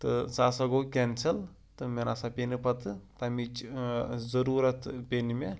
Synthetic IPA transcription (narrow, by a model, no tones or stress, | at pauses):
t̪ɨsaːsɐɡoːkʲensʰɐl | t̪ɨmenasapʲenipɐt̪ɨt̪ɐmit͡ʃzɐɾuːɾɐt̪pʲenime